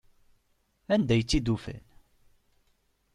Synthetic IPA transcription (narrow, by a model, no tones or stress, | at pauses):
ænd̪æjət͡sːid̪ufæ̰n